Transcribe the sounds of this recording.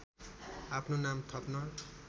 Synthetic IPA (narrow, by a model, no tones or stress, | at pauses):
apʰnonamt̪ʰʌpnʌ